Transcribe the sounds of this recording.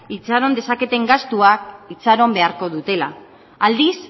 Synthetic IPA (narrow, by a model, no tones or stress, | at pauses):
it͡saɾo̞nd̪e̞sake̞t̪e̞ŋɡast̪uakit͡saɾo̞mbe̞aɾko̞ðut̪e̞la̰ | ald̪is